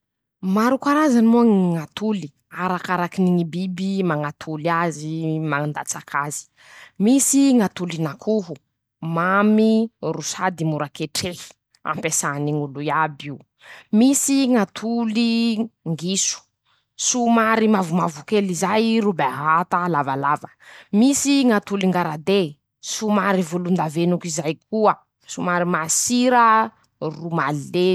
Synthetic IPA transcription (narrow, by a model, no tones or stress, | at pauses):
maɾukaɾazanimoŋŋat̪uli̥ | aɾakaɾakiniŋibibimaŋat̪ʰulazimaŋand̪at͡sakʰazi̥ | misiŋat̪ulinakʰuɦu | mamirusad̪imuɾakeʈ͡ʂehi̥ | a̰mpesaniŋuluabiw | misiŋat̪ʰuliŋɡisu̥ | sumaɾimavumavukelizajrubeaɦat̪alavalavəmisiŋat̪uliŋɡaɾad̪e | sumaɾivulund̪avenukizajkʰuə | sumaɾimasiɾə | rumalːe